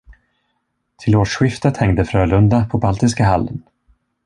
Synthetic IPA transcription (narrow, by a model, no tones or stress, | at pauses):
t̪ʰɪloːʂɧɪft̪ət̪hɛŋd̪əfɾœːlɵnd̪apʰɔbalt̪ɪskaɦalːən